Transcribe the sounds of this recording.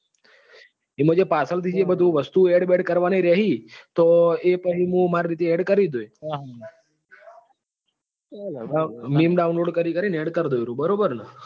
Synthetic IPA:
imə̃d͡ʒepasəlt̪ʰid͡ʒebəd̪ʱũʋəst̪ueɽbeɖkəɾʋaneiɾəɦit̪oepəɦimũmaɾɾit̪eeɖkəɾid̪oj | amimɖaunloɖkəɾikəɾineɽkəɾd̪ojɾũbəɾobəɾnə

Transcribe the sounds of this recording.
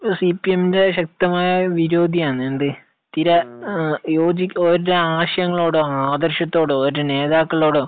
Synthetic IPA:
sipːieminde̞ɕɐk̚t̪ɐmaːjɐʋiɾoːd̪ʱijaːɳːɨenɖ̪ɨ | t̪iɾɐ | joːd͡ʑioɾuɾeaːɕɐjɐŋːɐɭo̞ːɽoaːd̪ɐrɕjɐt̪ːo̞ːɽooɾuɾene̞ːðaːkːɐɭo̞ːɽo

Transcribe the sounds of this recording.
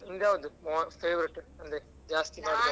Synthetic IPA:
ɪnɖ̪aːʋɔnd̪ɯmoːfeːʋɐɾɪʈːɐnd̪ɐ | d͡ʒaːst̪imaː

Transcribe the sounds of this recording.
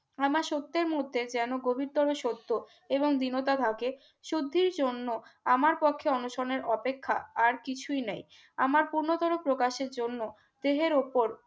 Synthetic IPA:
amaʃot̪ːeɾmod̪ʱːed͡ʑɛnoɡobʱiɾt̪ɔɾoʃot̪ːo | eboŋd̪inot̪̬at̪ʰake | ʃud̪ʱːiɾd͡ʑonːoamaɾpɔkʰːeɔnuʃoneɾɔpekʰːaaɾkit͡ɕʰujnej | a̰maɾpuɾnot̪ɔɾopɾokaʃeɾd͡ʑonːo | d̪̥eɦeɾopoɾ

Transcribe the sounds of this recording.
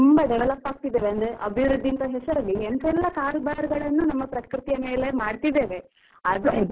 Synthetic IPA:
umbɐɖɛʋelɐpːaːɡ̚t̪id̪ːeːʋeɐnd̪ɾeʔɐbʱiʋɾud̪ʱːint̪ɐɦɛsɐɾɐlːient̪ɛlːɐkaːɾbaːɾɡɐɭɐnːunɐmːɐpɾɐkkɾut̪ijɐme̞ːle̞maːɽt̪id̪eːʋe̞ | ɐd̪e

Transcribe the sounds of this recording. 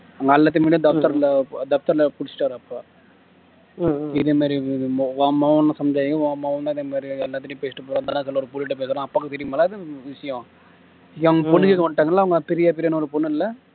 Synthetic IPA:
ɐɐŋɡɐɐlːaːt̪̬ːɯmeːɽijɐ̃d̪ɐft̪ɐɾld̪ɐft̪ɐɾlɐpʊɽɪt͡ʃːʈːaːɾɯɐpːa | ɪðeːmaːdɾɾiʋamɐʋɐnːɐsɐmd͡ʒaːjŋkːɯ̃mɐʋɐnd̪aːɪðeːmaːdɾiɛlːaːt̪ːɪʈːpeːsɪʈːɐpoːɾɐ̃ːnd̪aːnːãːsɪlːɐɔɾɯpʊlɪʈ̬ːɯpeːsɯɾãɐpːaːkːɯt̪ɛɾɪjɯmaːlaːɪðɯʋɪʂɐjõ | ɐɐŋɡɐpɔnːɯkikɔɳɖɯʈːaːŋɡɐɭlːaːʋɐŋɡɐpɛɾɪjaːpɛɾɪjaːnɐɔɾɯpɔnːɯɪlːɐ

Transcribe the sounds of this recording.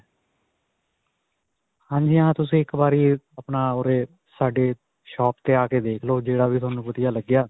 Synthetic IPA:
hãːɲd͡ʒijãːt̪ʊs̬ĩːɪkbaːɾiːəpnaːoːɾeː | saːɖeː | ʃɔːpt̪eːaːkeːd̪eːkʰloːd͡ʒeːɽaːʋiːt̪ʊaːnũːpət̪jaːləɡɪjaː

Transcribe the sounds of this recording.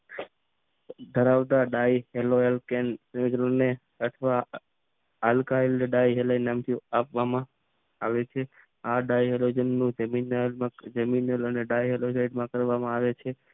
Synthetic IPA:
d̪ʱəɾaʋd̪aɖaiɦeloelkensimikɾone | ət̪ʰʋa | alkailɖajɦelainamt̪ʰiapʋamã | aʋet͡ʃʰe | aɖajɦelod͡ʒənːũd͡ʒəminəlmãd͡ʒəminələneɖajɦelosaiɖmãkəɾʋamãaʋet͡ʃʰe

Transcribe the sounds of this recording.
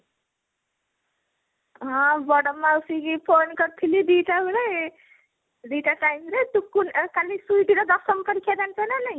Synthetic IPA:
ɦʌ̃bʌɽʌmausiɡipʰonɡʌɾt̪ʰilid̪iʈabuɾe | d̪iʈaʈajmɾet̪ukunkalisujʈiɾʌd̪ʌsʌmkʌɾikʰed̪antenʌnʌj

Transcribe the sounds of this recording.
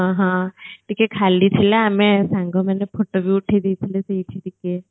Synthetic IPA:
ɦãɦãʈikekʰalit̪ʰilaːmesãŋɡomanepʰoʈoʋjuuʈʰed̪ijt̪ʰileseit̪ʰeʈike

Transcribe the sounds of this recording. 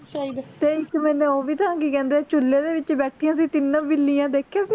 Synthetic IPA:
ʃaid̪t̪eːɪkmɛ̃ːnẽːoːʋiːt̪əãːkikɛ̃ːnd̪eːt͡ʃʊlːeːd̪eːʋɪt͡ʃbɛːʈʰijãːsiːt̪ɪnːãːbɪlːiːãːd̪eːkʰjaːsiː

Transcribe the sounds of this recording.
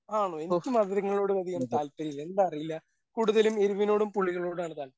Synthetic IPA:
aːɳoːe̞nikʲːumɐðɾɐŋːɐɭɭo̞ːɽɨʋɐd̪ʱiɣɐɳɐt̪aːlpɐɾijilːɐend̪aɐrijilːɐ | kuːɽuðɐlumeɾuʋino̞ːɽumpuɭːiɣɐɭo̞ːɽuaːɳɨðaːɭ

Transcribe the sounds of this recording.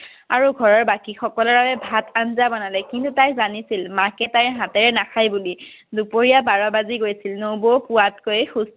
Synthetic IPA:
a̰ɹuɡʱɔɹɔɹbakixɔkɔlɔɹbabɛbʱatʰanzabɔnalɛkintutajzanisilmakɛtajɦãtɛɹɛnaxʰajbuli | dupoɹijabaɹɔbaziɡojsilnowbopʊwatkojxus

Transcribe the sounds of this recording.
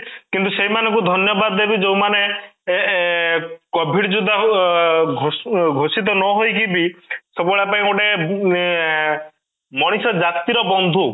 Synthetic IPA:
kint̪̬useɦimanɔ̃ŋkud̪ʱɔnjɔbad̪ebid͡ʒew̃mane | kɔbʱiɖd͡ʒud̪a | ɡʱoɡʱosit̪̬ɔnɔɦojkibisɔbɔɭapaĩoʈe | mɔɽ̃isɔd͡ʒat̪iɾɔbɔnd̪ʱu

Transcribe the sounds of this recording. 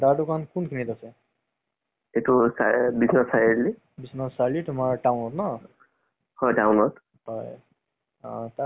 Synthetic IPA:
daɹdukankunkʰinitasɛ | etusabisnasajeɾli | bisnɔsalitumaɹʈawnɔtna | hɔjtawnɔt | hɔj | ta

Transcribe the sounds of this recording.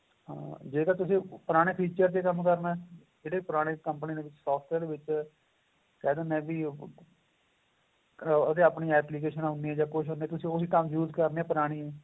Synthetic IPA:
ɦã̰ːd͡ʒeːk̪aːt̪ʊsĩːpʊɾaːɽ̃eːpʰiːt͡ʃəɾt̪eːkəmkəɾnaɛ | d͡ʒeːɽeːpʊɾaːɽ̃eːkəmpniːd̪eːʋɪt͡ʃsɔːpʰʈɛːɾd̪eːʋɪt͡ʃ | kɛːd̪ənɛ̃ːbiː | ət̪eːapɳiːɛːpliːk̬eːʃənaɦʊneːɛːd͡ʒaːkʊʃɦʊneɛːt̪ʊsĩːoːiːkəmjuːzkəɾneːɛːpəɾaːɽ̃iːɛː

